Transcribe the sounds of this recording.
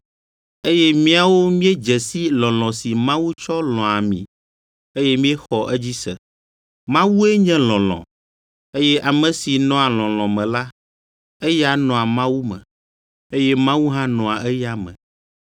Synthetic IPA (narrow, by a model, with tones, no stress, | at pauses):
e˦jɛ˦mĩ˦a˨wo˦mĩ˦e˦d͡ʒɛ˨si˦lɔ̃˨lɔ̃˨si˨mã˦wu˦t͡ʃɔ˦lɔ̃˨a˨mḭ̃˨ | e˦jɛ˦mĩ˦ɛ˦xɔ˨ʔɛ˦d͡ʑi˦sɛ̰˨ | mã˦wu˦e˦ɲɛ̃˦lɔ̃˨lɔ̰̃˨ | e˦jɛ˦ʔa˨mɛ̃˨si˨nɔ̃˦a˨lɔ̃˨lɔ̃˨mɛ̃˨la˦ | ɛ˦ja˨nɔ̃˨a˨mã˦wu˦mɛ̰̃˨ | e˦jɛ˦mã˦wu˦ɦã˦nɔ̃˨a˨ʔɛ˦ja˦mɛ̰̃˨